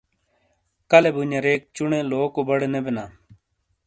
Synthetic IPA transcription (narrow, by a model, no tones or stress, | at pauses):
kəlebuɲaɾeːk̚t͡ʃʊɳẽːloːkoːbəɽenebenaː